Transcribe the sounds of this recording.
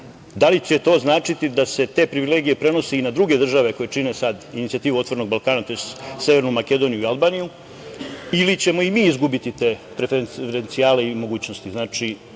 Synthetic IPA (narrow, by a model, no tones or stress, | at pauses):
d̪alit͡ɕe̞t̪o̞ːznaːt͡ʂit̪id̪ase̞t̪e̞pɾiʋile̞ːɡije̞pɾe̞no̞siinad̪ɾuɡe̞d̪r̩ʒaʋe̞ko̞jet͡ʂine̞sad̪init̪siat̪iːʋuo̞t̪ʋo̞ɾeno̞ɡ̚balˠkaːnat̪o̞jest̪se̞ʋe̞ɾnumake̞d̪o̞nijuialˠbaːniju | ilit͡ɕe̞mo̞imiːizɡubit̪it̪e̞pɾefeɾent̪sijaːle̞imo̞ɡuːt͡ɕno̞st̪iznaːt͡ʂi